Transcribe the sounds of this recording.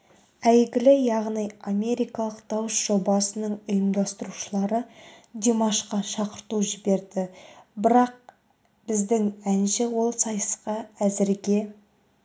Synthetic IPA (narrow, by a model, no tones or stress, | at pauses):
æjɡʲɪlɪjɑʁnijame̞ɾijkɑlˠəqd̪ɑwəsʒ̥o̞bɑsənəɴʊjəmd̪ɑst̪əɾuʃəlˠɑɾə | d̪ʲemɑʃqɑʃɑqəɾt̪uʒɪbe̞ɾd̪ɪbɪɾɑq̚ | b̥ɪzd̪ɪŋænʃɪwo̞lˠsɑjəsqɑæzɪɾɡʲe̞